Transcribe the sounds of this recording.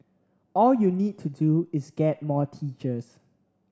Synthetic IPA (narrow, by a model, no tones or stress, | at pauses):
ɔljunid̚tʰuduɪsɡ̥ɛt̚mɔtʰit͡ʃəs